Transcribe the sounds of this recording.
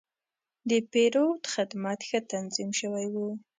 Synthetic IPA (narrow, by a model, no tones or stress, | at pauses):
d̪əpeɾot̪əxad̪mɑt̪xət̪anzimʃəwajwu